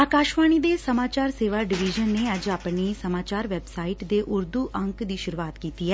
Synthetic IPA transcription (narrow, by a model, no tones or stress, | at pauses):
aːkaːʃʋaːɳ̃iːd̪eːsəmaːt͡ʃaːɾseːʋaːɖɪʋid͡ʒənːeːəd͡ʒaːpɳiːsəmaːt͡ʃaːɾʋɛːbsaːiːʈd̪eːʔʊɾd̪uːʔəŋkd̪iːʃʊɾuːaːt̪kiːt̪iːɦɛː